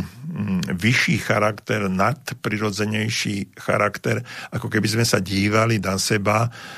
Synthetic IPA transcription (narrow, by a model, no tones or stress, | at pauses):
ʋiʃiːxaɾakt̪ɛɾnat̪pɾiɾɔd͡zɛɲɛjʃiːxa̰ɾakt̪ɛɾʔakɔkɛbizmɛsaɟiːʋalinasɛba